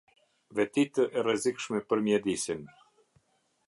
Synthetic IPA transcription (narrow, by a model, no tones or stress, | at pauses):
vɛt̪it̪əʔɛrəzikʃmɛpəɾmjɛd̪isin